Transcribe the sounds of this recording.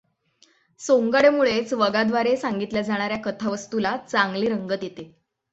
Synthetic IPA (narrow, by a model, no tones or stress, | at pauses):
soŋɡaɽemuɭet͡sʋəɡad̪ʋaɾesaŋɡit̪ljad͡zʱaɽ̃aɾjakət̪ʰaʋəst̪ulat͡saŋɡliːɾəŋɡət̪jet̪e